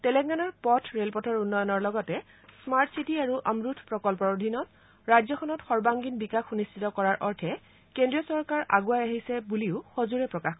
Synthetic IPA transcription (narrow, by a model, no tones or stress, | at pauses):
tɛlɛɡɡanɔɹpɔtʰɹelpɔtʰɔɹunːɔjɔnɔɹlɔɡɔtɛ | smaɹtsitiaɹuʔamɹutʰpɹɔkɔlpɔɹod̪ʱinɔt̚ | ɹajzɔxʰɔnɔtxɔɹbaŋɡinbikaxunistʰitɔkɔɹaɹʔɔɹtʰɛ | kendɹiɔsɔɹkaɹʔa̰ɡuajaɦisɛbuliʊxozuɹɛpɹɔkax